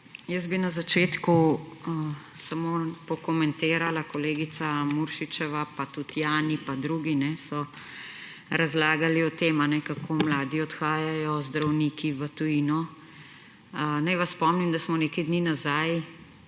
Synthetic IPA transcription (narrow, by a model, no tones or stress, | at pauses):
jəzbinazat͡ʃeːt̪ku | samoːpɔkɔmɛnt̪eːɾalakɔleːɡit̪samuɾʃit͡ʃɛʋapat̪ut̪jaːnipad̪ɾuːɡinɛsɔ | ɾazlaːɡaliɔt̪eːmanɛkakʰoːmlaːd̪iɔt̪xaːjajɔzd̪ɾawniːkiʋət̪ujinɔ | najʋassːpɔmnimd̪asmɔnekɐjd̪niːnazaj